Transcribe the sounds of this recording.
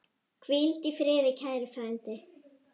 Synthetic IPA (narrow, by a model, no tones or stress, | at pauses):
kʰvilt̪ifɾɪːðɪcʰaːjɾɪfaːɪnt̪ɪ